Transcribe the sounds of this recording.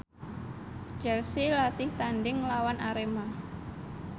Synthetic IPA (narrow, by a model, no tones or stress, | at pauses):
d͡ʒɛlsilat̪ɪht̪anɖɪŋlawanʔaɾema